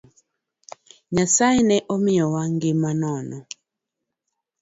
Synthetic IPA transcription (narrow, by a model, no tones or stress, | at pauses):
ɲasainɛʔɔmiɔwaŋɡimanɔnɔ